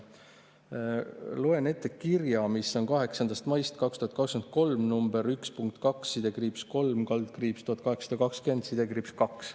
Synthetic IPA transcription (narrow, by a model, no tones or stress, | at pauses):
loe̞ne̞t̪ːˑekkirjɑmisːo̞nkɑɦe̞ksɑnd̪ɑst̪mɑjst̪kɑkst̪uhɑt̪kɑksk̪yent̪ko̞lmnumb̥e̞ɾykspuŋk̚t̪kɑksːid̪̥e̞kriːpsko̞lmkɑld̪kriːpst̪uhɑt̪kɑɦe̞ksɑ̥d̪ɑkɑkskend̪sid̪̥e̞kripskɑks